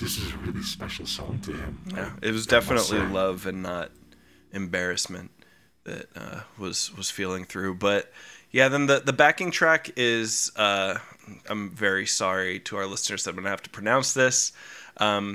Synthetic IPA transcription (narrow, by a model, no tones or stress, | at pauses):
ðɪsɨzɨɹɪlˠispɛʃl̩ˠsɔ̰̃ŋtʰɨɪ̰̃mjæɨ̰t̚wʌzdɛfənəʔˡlilʌvɨ̃nːəɾ | ʔɨ̃mbɛɹɨsmɨ̃n | ðɨ̰t̚ʌ̰wʌz̥wʌz̥filˠɪ̃ŋθɹʉbʌt̚jæðɨ̃nðɨðəbækɪ̃ŋtʰɹ̥ækɪz̥ʌ | ã̰ɪ̃ɱvɛɹisɑɹiɾʰɨaʊ˞lɪsnə˞z̥ðɨt̚wɛ̃nɨhæftə̥pʰɹ̥ɨnãʊ̃nsðɪsʔʌ̃m